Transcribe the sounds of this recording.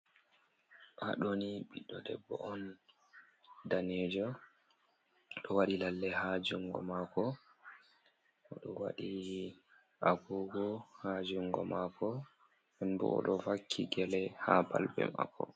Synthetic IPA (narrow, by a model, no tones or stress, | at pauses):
ʔaɗoniɓiɗɔdɛbːɔɔn | danɛd͡ʒɔ | ɗɔwaɗilalːɛhad͡ʒuŋɡɔmakɔ | ʔɔɗɔwaɗi | ʔaɡuɡɔhad͡ʒuŋɡɔmakʰɔ | ɛnbɔ̰ʔɔ̰ɗɔfakʰːiɡɛlɛhaba̰lbɛ̰ma̰kʰːɔ